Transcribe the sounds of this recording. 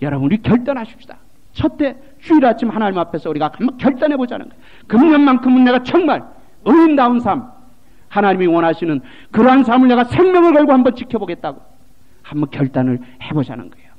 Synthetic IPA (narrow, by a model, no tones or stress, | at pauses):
jʌɾʌbunɾikjʌɭt͈ʌnɦaɕʰi̥p̚ɕ͈i̥d̥ḁ | t͡ɕʰʌt͈ʰe̞ | t͡ɕuiɾat͡ɕʰimhanaɲimapʰe̞sʰʌuɾiɡakamʌnkjʌɭt͈anɦe̞bod͡ʑa̰nɯ̰nɡʌej | kɯmɲʌnmankʰɯmːunːe̞ɣat͡ɕʌŋmaɭ | ɯindaunsʰam | hanaɲimiwʌnɦaɕʰinɯn | kɯɾʌɦans̬ʰamɯɭne̞ɣasʰe̞ŋmʲjʌŋɯɭɡʌɭɡohambʌnt͡ɕikʰjʌboɡe̞t̚t͈aɡo | hambʌnkjʌɭt͈anɯɭhe̞boɕʰa̰nɯ̰nɡʌejo